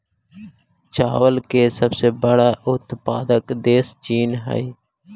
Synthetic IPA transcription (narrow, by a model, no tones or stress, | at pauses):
t͡ʃaːʋəlkeːsəbseːbəɽaːʔʊt̪paːd̪əkd̪eːst͡ʃiːnɦə̰iː